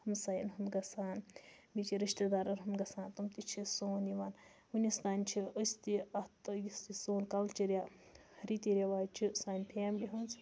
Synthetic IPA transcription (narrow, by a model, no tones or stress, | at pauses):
hɐmsajinɦumɡɐsaːn | bit͡ʃiɾiʃt̪ed̪aːɾɐɾɦɐmɡɐsaːnt̪ɐmt̪it͡ʃʰisoːniʋaːn | hunist̪aːnʲt͡ʃʰiəsʲt̪iɐt̪ɐjist̪isoːnkɐlt͡ʃiɾʲja | ɾit̪iɾʲaʋaːjt͡ʃʰisaːnʲpʰeːmlʲiɦunz